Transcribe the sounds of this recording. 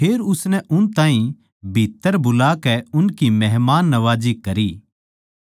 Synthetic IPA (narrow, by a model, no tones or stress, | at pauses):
pʰeːɾʊsnɛʔʊnt̪ãːĩ | bʱit̪ːəɾbʊlaːkɛʊnkimɛɦmaːnːɐʋaːd͡ʒikɐɾiː